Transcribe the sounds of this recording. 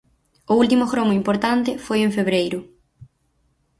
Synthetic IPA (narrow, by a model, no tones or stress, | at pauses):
ʊult̪̬imʊxɾomʊimpoɾt̪ant̪ɪfojeɱfeβɾejɾʊ